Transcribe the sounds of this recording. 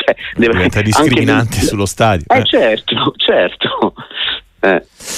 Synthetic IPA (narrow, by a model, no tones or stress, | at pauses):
ɛdd̪ɛːvoiɛt̪ad̪isaŋkɾikminant̪esulːost̪aːd̪joɛt͡ʃɛrt̪ot͡ʃɛrt̪o | ɛ̰